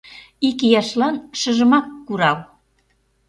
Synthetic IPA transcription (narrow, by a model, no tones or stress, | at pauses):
ikijɑʃlɑnʃə̆ʒə̆mɑkːuɾɑl